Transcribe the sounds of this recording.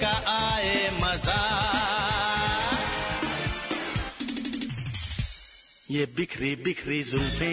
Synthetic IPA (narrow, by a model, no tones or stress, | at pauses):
aʔaːemɐzaː | jeːbɪkʰɾibɪkʰɾiːzʊlfẽː